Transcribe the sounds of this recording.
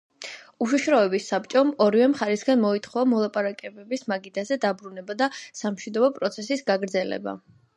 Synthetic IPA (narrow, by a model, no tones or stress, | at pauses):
uʃiʃɾaɛbisːap̚ʼt͡ʃʼɔmɔɾivɛmχaɾɛsɡanmɔit̪ʰχɔamɔlˠapʼaɾakʼɛbɛbismaɡid̪azɛd̪abɾunɛbad̪asamʃwid̪ɔbɔpʼɾɔt̪sʰɛsisɡaɡɾd̪zɛlɛ̰ba̰